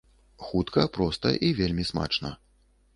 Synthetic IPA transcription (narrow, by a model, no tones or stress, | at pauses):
xut̪kɐpɾɔst̪ɐʔivʲelʲmʲisma̰t͡ʂnɐ̰